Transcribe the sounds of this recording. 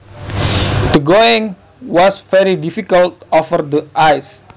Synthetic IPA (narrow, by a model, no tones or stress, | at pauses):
d̪əɡoiŋ | wɔsfɛɾidifikəlt̪̚ɔfərd̪əʔajs